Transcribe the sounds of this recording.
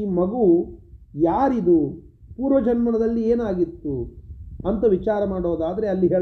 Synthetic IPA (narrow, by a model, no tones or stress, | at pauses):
iːmɐɡu | jaːɾid̪u | puːɾʋɐd͡ʒɐnmɐnɐd̪ɐlːieːnaːɡit̪ːuɐnt̪ɐʋit͡ʃaːɾɐmaːɽoːd̪aːd̪ɐɾe̞ɐlːiɦeː